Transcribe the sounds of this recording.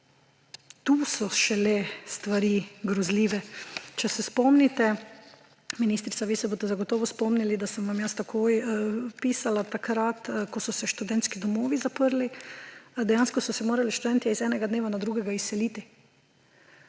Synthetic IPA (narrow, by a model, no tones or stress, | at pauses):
t̪uːsɔʃɛlɛst̪ʋaɾiːɡɾɔzliːʋɛt͡ʃɛsɛspɔmnit̪ɛ | miniːst̪ɾit̪aʋiːsɛboːst̪ɛzaɡɔt̪ɔːʋɔspɔmnilid̪asəmʋamjəst̪akʰoːjpiːsalat̪akɾat̪kɔsɔsɛʃt̪ud̪ɛnt̪skid̪ɔmɔːʋizapəɾli | d̪ɛjaːnskɔsɔsɛmoːɾaliʃt̪ud̪ɛnt̪iizɛːnɛɡad̪neːʋanad̪ɾuːɡɛɡaisːɛliːt̪i